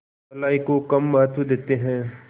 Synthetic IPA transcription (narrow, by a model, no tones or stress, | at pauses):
ɐlaːikokɐmːɐɦət̪wəd̪eːt̪eɦɛ̃ː